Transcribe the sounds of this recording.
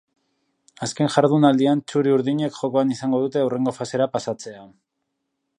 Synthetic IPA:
aske̞nʝaɾðunald̪iant͡ʃuɾiuɾðiɲe̞kʝo̞ko̞anisaŋɡo̞ðut̪e̞ure̞ŋɡo̞fase̞ɾapasat͡se̞a

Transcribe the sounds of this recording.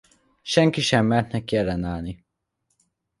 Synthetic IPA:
ʃɛŋkiʃɛmːɛnt̪nɛkːɛlːɛnaːlni

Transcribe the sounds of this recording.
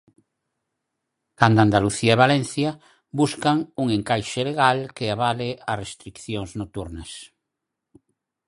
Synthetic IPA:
kand̪oand̪aluθiaeβalɛnθja | buskaŋuŋeŋkajʃeleɣalkeaβalearest̪ɾikθjoŋznot̪uɾnɐs

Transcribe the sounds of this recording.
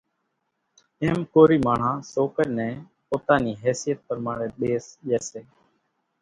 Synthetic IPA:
eːmkoːɾiːmaːɳ̤ãːsoːkəɗnɛ̃ː | poːt̪aːniːɦɛːsijət̪̚pəɾmaːɾeːɓeːsʄeːseː

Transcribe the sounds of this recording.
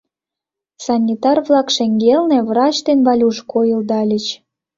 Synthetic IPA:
sɑnʲːit̪ɑrβlˠɑkʃĕŋɡelnĕβrɑt͡ɕd̪enβɑlʲuʃkʰojɤ̆ld̪ɑlʲət͡ɕ

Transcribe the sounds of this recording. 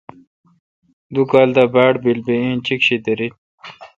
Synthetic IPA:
d̪ukaːld̪abaːʈbilbeĩːnt͡ɕikɕit̪ɐɾi

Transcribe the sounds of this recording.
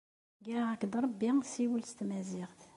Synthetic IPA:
ɡæʕækd̪ɾˤɑbːisiwəlst̪mæziʁt̪

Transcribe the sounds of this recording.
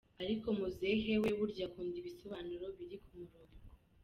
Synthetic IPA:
aɾiko̞muze̞ɦe̞we̞βuɾɟakuːndiβiso̞βaːnuɾo̞βiɾikʰumuɾoːŋɡɡo

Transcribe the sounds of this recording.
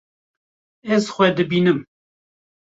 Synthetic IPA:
ɛzxʷɛd̪ɨbiːnɨm

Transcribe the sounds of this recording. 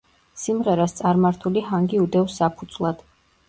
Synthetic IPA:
simʁɛɾast̪sʼaɾmaɾt̪ʰuliɦaŋɡiud̪ɛvsapʰud̪z̥lˠad̪̥

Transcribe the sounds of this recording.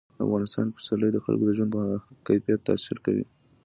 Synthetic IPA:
a̰fɣɑnɪst̪ɑnpḁsaləjd̪əxa̰lɡod̪əʒand̪pəaakajfijat̪ːa̰siɾkawḭ

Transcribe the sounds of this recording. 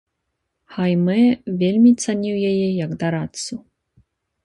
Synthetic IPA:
xajmɛvʲelʲmʲit̪sanʲiwjajɛjɐɡd̪aɾat̪su

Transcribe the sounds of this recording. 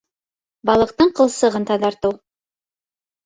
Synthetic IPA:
bɑlˠɤ̆q̚t̪ɤɴqɤ̆lˠsɤ̆ʁɤnt̪ɑðɑɾt̪ɤw

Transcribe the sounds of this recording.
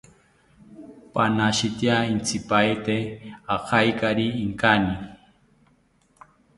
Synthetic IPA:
panaʃit̪jaint͡sʰipajt̪eaqʰajkaɾiːŋkani

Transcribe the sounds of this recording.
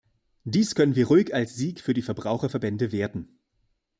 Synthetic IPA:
d̥iːskʰœnənviːɐʁuɪkalsz̥iːkfyːɐdiːfɛɐbʁaʊxɐfɛɐbɛndəveːɐtn̩

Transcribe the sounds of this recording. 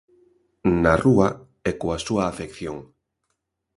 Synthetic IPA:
narua | ɛkoasuaːfekθjoŋ

